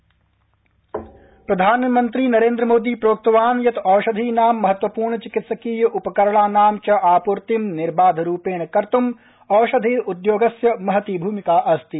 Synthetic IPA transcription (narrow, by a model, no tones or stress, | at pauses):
pɾɐd̪ʱaːnmɐnt̪ɾiːnɐɾẽːnd̪ɾəmoːd̪iːpɾoːk̚t̪ɐʋaːnjɐt̪ɔːʃɐd̪ʱiːnaːmːɐɦɐt̪ʋɐpuːɾɳɐt͡ʃɪkɪt̪sɐkiːjɐʔupɐkɐɾɐɭaːnaːmt͡ʃɐʔaːpuɾt̪imnɪɾbaːd̪ʱɾuːpeːnɐkɐɾt̪um | ɔːʃɐd̪ʱiːɾud̪joːɡɐsjɐmɐɦɐt̪iːbʱuːmikaːʔɐst̪i